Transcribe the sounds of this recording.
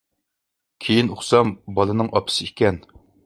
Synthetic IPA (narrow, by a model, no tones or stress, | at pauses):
kʲʰejinoχsɑmbɑlˠɨnɨŋʔɑpʰɨ̥sɨikʲɛn